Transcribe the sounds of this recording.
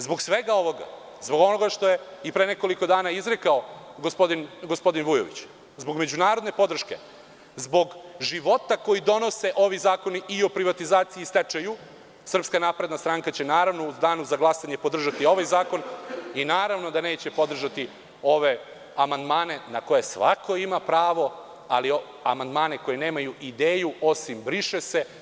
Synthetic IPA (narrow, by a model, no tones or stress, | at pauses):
zbo̞ɡsʋe̞ɡao̞ʋo̞ɡa̰ | zbo̞ɡo̞no̞ɡaʃt̪o̞je̞ipɾeneko̞liko̞d̪aːnaizɾekaoɡospod̪inɡospo̞d̪inʋujoʋḭt͡ɕ | zbo̞ɡme̞d͡ʑunaːɾo̞d̪ne̞po̞d̪r̩ʃke̞̰ | zbo̞ɡʒiʋo̞t̪ako̞jid̪o̞no̞se̞ʔo̞ʋizaːko̞niio̞pɾiʋat̪izaːt̪siiːst̪et͡ʃaju | sr̩pskanaːpɾe̞d̪nast̪ɾaŋkat͡ɕe̞naːɾaʋnouzd̪aːnuzaɡlˠasaɲepo̞d̪r̩ʒat̪io̞ʋajzaːko̞ninaːɾaʋno̞d̪ane̞ːt͡ɕe̞po̞d̪r̩ʒat̪i | o̞ʋe̞ | amand̪maːne̞nako̞je̞sʋa̰kʰo̞imapɾaːʋo̞ | a̰lio | a̰mand̪maːne̞ko̞jene̞ːmajuʔid̪eːjuo̞simbɾiʃese̞